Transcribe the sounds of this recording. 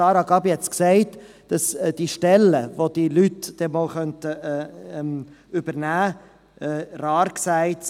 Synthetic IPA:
ɑːɾɑɡɑbihɛt͡sksæɪt | d̥ɑsd̥iʃtɛlːəvod̥ilytd̥ɛmɔlχœntəːm | ybəɾnæː | ɛːrɑːɾksæɪt

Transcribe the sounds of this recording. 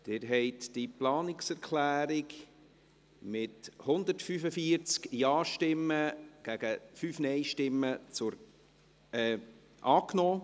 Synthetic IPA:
d̥ɪɾɦɛɪt̪d̥iplɑːnɪksɛɾkʰlæːɾɪk | mɪthʊnd̪əɾtfyfəfiəɾt͡skjɑːʃtɪmːəɡ̥æɡ̥əfyːfnɛɪʃtɪmːət͡sʊɾ | ɛː | ʔɑːknɔː

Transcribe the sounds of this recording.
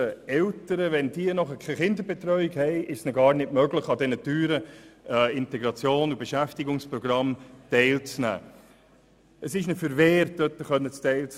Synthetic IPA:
əɛltəɾəʋɛnd̥iːənɔχəkʰɛχɪndəɾbɛt̪ɾœʏɪɡhɛɪʔɪʃsnɔɡɑːɾnɪtmœɡləχɑd̪ɛnətyːɾə | ɪntɛɡɾɑt͡sjoːnubeʃæftiɡʊŋspɾɔɡ̥ɾɑmtɛɪlt͡snæ̰ː | əsɪʃnəfəɾvɛːɾtd̥œt̪ːəχœnːət͡stɛɪlt͡s

